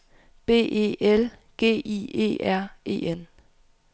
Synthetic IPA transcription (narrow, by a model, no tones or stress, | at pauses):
b̥e̝̰ːʔe̝̰ːʔel | ɡ̥e̝̰ːʔḭːe̝̰ːʔæɐ̰e̝̰ːen